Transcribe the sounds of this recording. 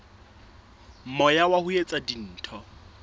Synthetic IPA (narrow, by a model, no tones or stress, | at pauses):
m̩mɔjawahʊjet͡sʼadin̩ːtʰɔ